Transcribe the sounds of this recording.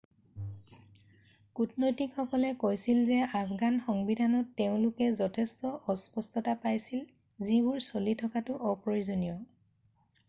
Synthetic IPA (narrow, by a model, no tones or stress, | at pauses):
kutnojtikxɔkɔlɛkojsilzɛapɡanxɔŋbidʱanɔtːeʊ̃lʊkɛzɔtʰɛstɔʔɔspɔstɔtapajsil | zibʊɹsolitʰɔkatʊʔɔpɹoizonijɔ